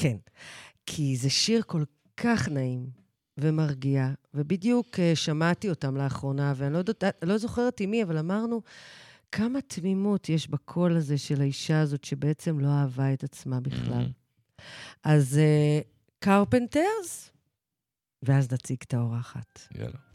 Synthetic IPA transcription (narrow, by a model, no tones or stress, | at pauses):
ke̞n | kʰizeʃiʁko̞l | kʰaχnaim | vemaʁɡiavebidjukeʃamatio̞tamleaχʁo̞naveanilo̞dodalo̞zo̞χe̞ʁtimiavalamaʁnu | kʰamatmimutjeʃbakʰo̞laze̞ʃe̞laiʃaːzo̞tʃe̞beet͡se̞mlo̞aːvae̞tat͡smabiχla̰l | ʔaze | kaʁpenteʁz | veaznat͡siɡtao̞ʁaːχa̰tja̰